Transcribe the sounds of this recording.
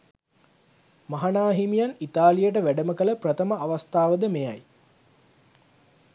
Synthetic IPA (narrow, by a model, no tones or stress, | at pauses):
maɦanaːɦimijanit̪aːlijəʈ̬əʋæɖəməkələprət̪əməʔaʋast̪aːʋəd̪əmeja̰j